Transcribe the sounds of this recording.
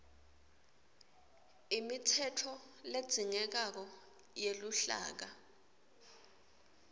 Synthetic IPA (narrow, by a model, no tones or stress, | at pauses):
imitʰɛtʰɔ | led̥z̥ʱiŋɛk̬ak̬ɔ | jeluɬa̰ːk̬a